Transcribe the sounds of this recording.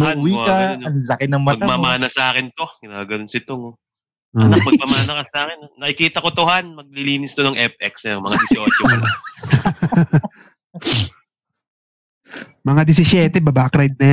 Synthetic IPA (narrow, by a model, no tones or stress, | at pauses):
mɐwiːɐɐnlɐkɪnɐŋmɐɐɡ̪amamaːnɐsɐʔaːkɪnt̪o̞ɡɪnaːɡɐnonsɪt̪oŋo | oɐmɐmamaːnɐkɐsɐaːkɪnnɐʔɪkiːt̪ɐkot̪ohanmɐɡ̚lɪliːnɪst̪onɐŋʔɛp̚ʔɛksɐjɐmɐŋad̪ɪsɪʔot͡ʃomɐn | mɐŋad̪ɪs̬ɪʃjɛːt̪ɛbɐbakɾajd̪̚nɐj